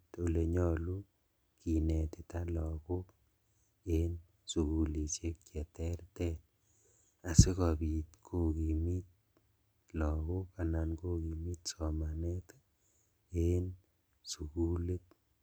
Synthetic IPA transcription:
t̪o˨le˨ɲɔ˦lu˦ | ki˨nɛ˨tɪ˨ta˦lɔ˨kʊ˦k | en | su˨ku˨li˨t͡ʃe˦k̚t͡ʃɛ˨tɛ˦ɾtɛ˦t | a˨sɪ˦ka˨bi˨t̪kʰo˦ki˨mi˦t̪̚ | lɔ˨kʊ˦ka˨na˨nko˦ki˨mi˦t̪sɔ˨ma˨nɛ˦tḁ˦ | e˦n | su˨ku˦le˦t̚

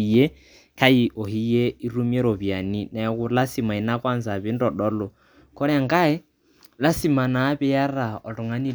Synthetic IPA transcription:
je˦ | kʰa˦i˨ʔɔ˨ɦi˦je˦i˦ɾu˦mi˦ɛ˦ɾɔ˨bi˨a˨ni˦na˨a˨˦ku˦la˦si˨ma˨i˨˦na˦kʼwa˦nza˨βɛ˦n̩˦dɔ˨ɗɔ˦lɔ˨ | kɔ˦ɾɛ˦a˨ŋ˦ka˦ɛ˦ | la˦si˨ma˨na˨˦pɛ˦ja˦ɾa˨ɔ˨lɔ˨ŋa˦ni˦

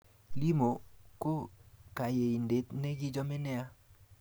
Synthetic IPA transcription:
li˦mo˨ko˦ka˨je˨i˨nde˨t̪ne˦ɡi˦d͡ʒɔ˦mɛ˦nɛ˦a˦

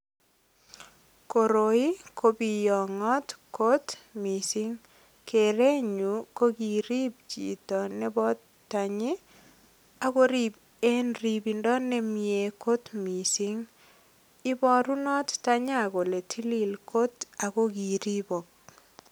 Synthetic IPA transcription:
ko˨ɾo˨i˦ko˦bi˨jɔ˨ŋɔ˦tko˦tmi˨si˦ŋ | kʰe˨ɾe˦ɲu˨ko˦ki˨ɾi˦p̚t͡ʃḭ˨tɔ˨nɛ˦bɔ˦ | tːa˨ɲɪ˦ | a˨ko˦ɾi˦b | e˦nribi˨ndɔ˦nɛ˦mje˨ko˦tmi˨si˦ŋ | ɪ˦bɔ˦ɾu˦nɔ˦tta˦ɲa˦˨ko˨le˨tʰi˦li˦lkʰo˦ta˨ko˦ki˨ɾi˦bo˨k̚

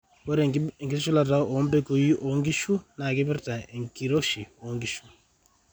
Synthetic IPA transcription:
kɔ˦ɾɛŋɡi˦sʃu˦la˨ta˦ɔ˨˦mbɛ˦ko˨ji˦ʔɔ˨ŋɡi˦ʃu˦na˨kɛ˦bɛ˦ɾta˨e˨ŋki˨ɾo˦ʃi˨ɔ˨ŋɡi˦ʃu˨

